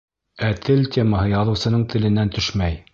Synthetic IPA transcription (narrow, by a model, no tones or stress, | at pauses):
æt̪ʰɘltʲemaɦɤjɑðɤ̆wsɤ̆nɤɴt̪ʰɘ̆lɘ̆nːænt̪ɵʃmæj